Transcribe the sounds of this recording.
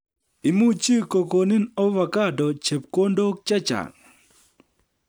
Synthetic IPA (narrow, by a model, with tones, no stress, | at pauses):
i˨mu˦t͡ʃi˦ko˨ko˨ni˦nɔ˦va˨ka˦dɔ˨t͡ʃe˨p̚ko˦ndo˦k̚t͡ʃa˦t͡ʃa̰˨ŋ